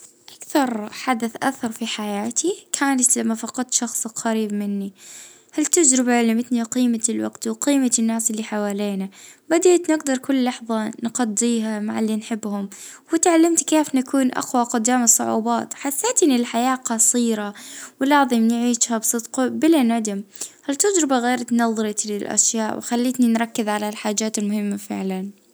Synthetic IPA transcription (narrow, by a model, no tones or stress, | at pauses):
ʔakθɑɾˤħad̪aθʔa̰θɑɾˤfiħajaːt̪ʰikʰaːnat̪lamːafɑqɑd̪̚t̪ʃɑxsˤqaɾiːbmɪnːi | halt̪ad͡ʒɾɪbaʕalɪmɪt̪niwqiːmalwa̰ɡt̪wqiːmaɪnːaːsɪlːiħawaːleːnabad̪aːt̪nɪɡd̪ɑɾˤkʊlːɑħðˤɑnqɑd̪ːiːɦama̰ʕalːinħɪbːhʊmwɪt̪ʕalːamt̪keːfnakuːnʔa̰xwaqʊd̪ːaːmɨsˤːʊ̰ʕṵːbɑːt̪ħaθːeːt̪ɪnɪlħajaːqɑsˤiːɾawɪlɑʕðˤimnʕiːʃhabsˤɨd̪qbɪlanad̪ɪmhalt̪ad͡ʒɾɪbaɣeːɾat̪nɑðˤɾɑt̪lɪlʔa̰ʃjaːʔwɪxalːiːt̪ninɾˤɑkːɪðʕalalħaːd͡ʒaːt̪ɪlmʊhɪmːafɪ̰ʕlan